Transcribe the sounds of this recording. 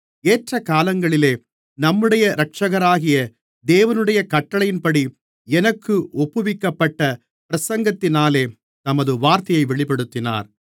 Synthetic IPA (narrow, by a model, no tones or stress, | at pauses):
eːʈrɐkaːlɐŋɡɐɭɪleː | nɐmːɯɽɐjɐɾɐk̚t͡ʃɐɣɐɾaːɣɪjɐ | d̪eːʋɐnɯɽɐjɐkɐʈːɐɭɐjɪnpɐɽi | ɛnɐkːɯʔɔpːɯʋɪkːɐpːɐʈːɐ | pɪɾɐsɐŋɡɐt̪ːɪnaːleː | t̪ɐmɐðɯʋaːɾt̪ɐjɐɪʋɛɭɪpɛɽɯt̪ːɪna̰ːɾ